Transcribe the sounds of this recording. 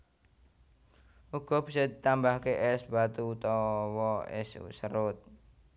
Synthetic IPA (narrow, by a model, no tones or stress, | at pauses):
uɡ̥ɔ̤b̥isɔd̪it̪ambahkeʔɛsb̥at̪ut̪ɔwɔɛ̰sṵsəɾʊt̪̚